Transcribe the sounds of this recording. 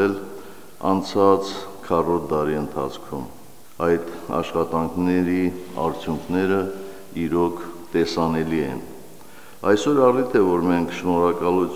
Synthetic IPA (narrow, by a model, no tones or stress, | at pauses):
ɛl | ɑ̰nt͡sʰɑt͡skʰɑrɔɾd̪ɑɾiənt̪ʰɑ̰t͡sʰkʰum | ɑjt̪ɑ̰ʃχɑt̪ɑŋkʰnɛɾiɑ̰ɾt͡sʰjuŋkʰnɛɾə | iɾɔkʰt̪ɛsɑnɛliɛ̰n | ɑjsɔɾɑrit̪ʰɛvɔɾmɛŋkʰʃnɔɾɑkɑlut͡sʰ